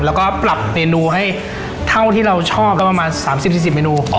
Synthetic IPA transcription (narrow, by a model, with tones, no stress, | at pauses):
lɛː˦˥wkɔː˥˩pɾa˨˩p̚meː˧nuː˧ɦa˥˩j | t̪ʰa˥˩wt̪ʰiː˥˩ɾa˧wt͡ɕʰɔː˥˩p̚ɔː˥˩pɾa˧maː˧nsaː˩˦msi˨˩p̚si˨˩si˨˩p̚meː˧nuː˧